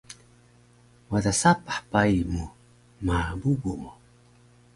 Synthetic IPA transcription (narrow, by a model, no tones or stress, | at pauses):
wadasapḁħpaimu | mabubumu